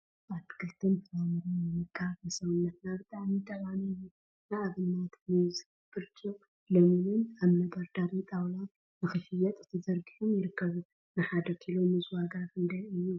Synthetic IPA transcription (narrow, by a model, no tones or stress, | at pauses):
at̪ʰɨ̥kʰɨlt̪ʰɨnfʰɐlamɨɾojɨmɨkʰːafɐsɐwɨnːɐt̪nabɨt̪ʼaʕmit̪ʰʼɐβaniju | nɨʔaβɨnːat̪nɨz | b̥ɨɾt͡ʃʰʼo | lomɨnɨnaβnɐb̪ɐɾd̪aɾit̪ʼawla | nɨxɨfɨjɛt̪ʼɨt̪ʰɨzɐɾɡiħumjɪɾɨkːɐβu | nɨħad̪ɐkʰilomːɨzwaɡat̪ɨnd̪ɐjɨjːu